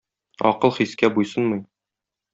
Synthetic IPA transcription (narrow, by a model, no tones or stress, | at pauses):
ɒ̰qɤlˠχiskæbujsɤnmɤj